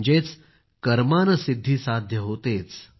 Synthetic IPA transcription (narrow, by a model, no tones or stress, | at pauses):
d͡ʑet͡s | kəɾmanəsid̪ʱːiːsad̪ʱjəɦot̪et͡s